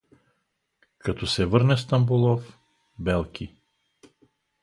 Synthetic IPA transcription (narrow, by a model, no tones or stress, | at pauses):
kat̪ɔsɛvəɾnɛst̪ambulˠɔf | bɛlˠkʲʰi